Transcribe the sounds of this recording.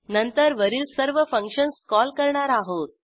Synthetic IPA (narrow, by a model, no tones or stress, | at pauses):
nənt̪əɾʋəɾiːlsəɾʋəfəŋkʂənskɔlkəɾɳaɾaɦot̪̚